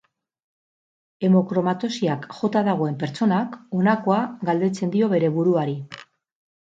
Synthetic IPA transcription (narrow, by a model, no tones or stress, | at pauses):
e̞mo̞kɾo̞mat̪o̞siakʝo̞t̪aðaɣ̞o̞e̞mpe̞ɾt͡so̞nako̞nako̞aɣald̪e̞t͡se̞nd̪io̞βe̞ɾe̞βuɾuaɾi